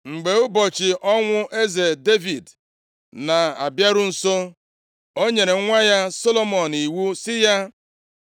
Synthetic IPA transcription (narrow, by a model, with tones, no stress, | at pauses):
ŋ͡m̩˨ɡ͡be˨ʊ˦bɔ˨t͡ʃɪ˨ʔɔ˦ŋʷʊ˦ʔe˦ze˨de˦vi˨d | na˨a̰˨bja˦ɾʊ˦n̩˦so˦ | o˦ɲe˨ɾe˨˦ŋʷa˦ja˦so˦lo˦mɔ˨n˨i˨wu˦sɪ˦ja˦